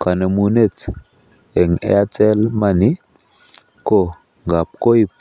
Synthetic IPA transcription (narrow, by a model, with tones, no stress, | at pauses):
ka˨ne˨mu˨ne˦˨t | ɛ˨ŋɛ̰˦a˦t͡sɛ˦lma˦ni˦ | ko˦˨ | ŋɡa˨p̚ko˦i˦